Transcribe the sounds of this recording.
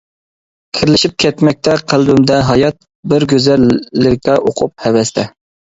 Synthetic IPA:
kʲʰɪɾlɪʃip̚kʲʰɛt̪mɛk̚ʲt̪ʰɛqʰəlˠbymd̪ɛɦɑjɑt̪̚ | bɪɾɡʲøzɛlːɪkʲɛʔoqʰʊp̚hɛvɛst̪ʰɛ

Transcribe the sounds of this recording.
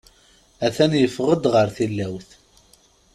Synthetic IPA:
æθænjəfʁəd̪ʁəɾθilːæwθ

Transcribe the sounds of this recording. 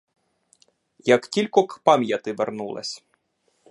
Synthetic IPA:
jɐktʲilʲkɔkpɑmʲjɐt̪ɪʋernulˠɐ̰sʲ

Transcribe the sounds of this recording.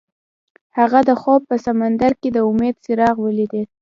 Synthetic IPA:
haɣad̪əxob̚pəsamand̪aɾked̪əʊmed̪sɪɾɑɣwəlid̪el

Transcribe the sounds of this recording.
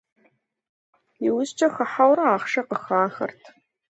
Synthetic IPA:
ɪwʊzt͡ʃʰʼɐxɐħawɾɐaːχʃɐqəxaːxɐ̰rtʰ

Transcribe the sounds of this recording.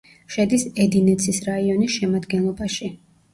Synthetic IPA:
ʃɛd̪isɛd̪inɛt̪sʰisɾaiɔnisʃɛmad̪ɡɛnlˠɔbaʃi

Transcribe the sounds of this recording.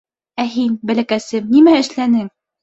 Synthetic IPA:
æɦinbælækæsɘmnimæɘ̆ʃlænɘŋ

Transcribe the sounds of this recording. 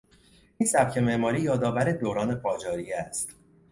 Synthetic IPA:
iːnsæbcʰe̞meʔmɒːɾiːjɒːd̪ɒːvæɾed̪oɾɒːne̞pʰɒːd͡ʒɒːɾijeæst̪

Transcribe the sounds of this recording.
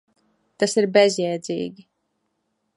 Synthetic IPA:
t̪asiɾbʲɛzjɛjd̪zḭːɡʲi

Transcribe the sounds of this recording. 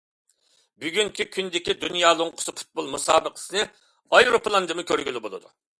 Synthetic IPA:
byɡʲyŋkʲikʲʰynd̪ɪkʲid̪unjɑːlˠoŋqʰə̥sɨpʰu̥t̪̚bolˠmusɑ̰ːbəqʰə̥sɨnɨ | ɑjɾopʰlˠɑnd̪ɨmɨkʲʰøɾɡʲylɪbolˠɨ̰d̪u

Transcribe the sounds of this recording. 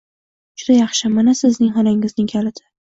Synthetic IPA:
d͡ʒʊd̪ajɑχʃɪmanasɪznɪŋɦɒnaŋɪznɪŋkʲʰalɪd̪ɪ

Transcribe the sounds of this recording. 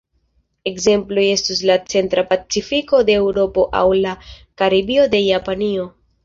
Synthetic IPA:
e̞kze̞mplo̞je̞stus̬lat͡se̞ntɾapat͡sifiko̞de̞ːwɾo̞po̞ʔa̰wlakaɾibio̞de̞japanio̞

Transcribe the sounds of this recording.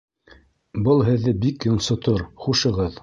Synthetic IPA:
bɤlˠɦɘ̆ðːɘbikjŏɴsŏt̪oɾχuʃɤ̆ʁɤð

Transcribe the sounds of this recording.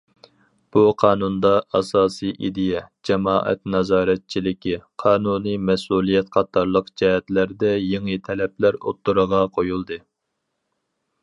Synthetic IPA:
b̥uqʰɑːnund̪ɑɑsɑːsɨʔid̪ɪjɛd͡ʒɛmɑːʔɛ̰t̪nɑzɑːɾɛt̪̚t͡ʃʰilɪkʲiqʰɑːnuːnɨmɛsulˠijɛt̪qʰɑt̪ʰɑɾlˠəqd͡ʒɛɦɛt̪læɾd̪ɛjeŋɨt̪ʰɛlɛplæɾo̰t̪ːuɾəʁɑqʰojulˠd̪ɨ

